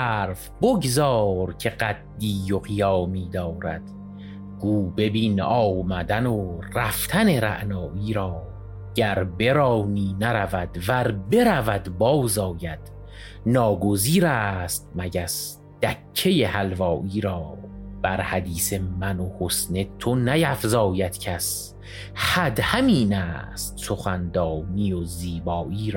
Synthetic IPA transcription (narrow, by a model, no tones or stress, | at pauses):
æɾf | boɡzɒːɾcʰeɢæd̪ːiːjoɣijɒːmiːd̪ɒːɾæ̰d̪̥ | ɡ̥uːbe̞biːnɒːmæd̪ænoræft̪ʰæne̞ɾæ̰ʔnɒːʔiːɾɒː | ɟ̥æɾbe̞ɾɒːniːnæɾævæd̪̥væɾbe̞ɾævæd̪bɒːwzɒːjæd̪̥ | nɒːɡoziːɾæːst̪̚mæɟæs | d̪̥ækʰːe̞je̞hælvɒːʔiːɾɒːb̥æɾhæd̪iːse̞mænohosne̞t̪ʰonæjæfzɒːjæd̪̥cʰæs | hæd̪hæmiːnæːst̪̚so̞xænd̪ɒːniːoziːbɒːʔiːɾː